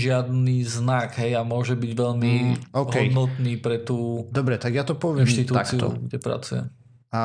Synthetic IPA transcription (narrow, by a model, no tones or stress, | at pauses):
ʒɪad̪niːznaɡɦɛjamʊɔʒɛbiɟʋɛʎmiɔɦkɛɔjd̪nɔt̪niːpɾɛt̪uːd̪ɔbɾɛt̪aɡjat̪ɔpɔʋɪɛmt̪it̪ut̪akiɔ̰ɡdɛpɾa̰t͡suɛ̰ | a